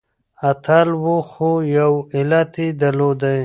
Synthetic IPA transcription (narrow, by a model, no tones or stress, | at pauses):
ɐt̪ʰalwuxojawilat̪id̪ɐlod̪aj